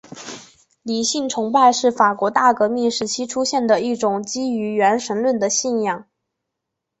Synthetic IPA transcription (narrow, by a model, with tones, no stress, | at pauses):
li˨˩ɕi˥˩nʈ͡ʂʰʊ˧˥ŋpa˥˧ɪʂɻ̩˥˩fa˨˩kwɔ˧˥t̪a˥˩kɤ˧˥mi˥˩nʂɻ̩˧˥t͡ɕʰi˥ʈ͡ʂʰu˥ɕjɛ˥˩nd̪ə˩i˥˩ʈ͡ʂʊ˨˩ŋt͡ɕi˥y˧˥ɥɛ˧˥nʂə˧˥nlwə˥˩nd̪ə˩ɕi˥˧njɑ˥˩ŋ